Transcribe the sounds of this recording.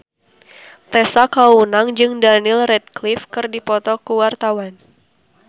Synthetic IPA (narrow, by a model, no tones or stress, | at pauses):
t̪ɛsakaunaŋd͡ʒɨŋdanilrɛt̪̚klifkɨrdipɔt̪ɔkuwart̪awan